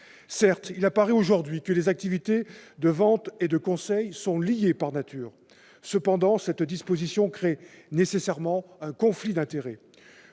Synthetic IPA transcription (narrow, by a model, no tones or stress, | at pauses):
sɛʁt̪ilapaʁɛoʒuʁd̪ɥikəlezak̚t̪ivit̪ed̪əvɑ̃t̪ed̪əkɔ̃sɛjsɔ̃lijepaʁnat̪ʰyːʁ | səpɑ̃d̪ɑ̃sɛt̪d̪ispozisjɔ̃kχenesesɛʁmɑ̃ɛ̃kɔ̃flid̪ɛ̃t̪eʁɛ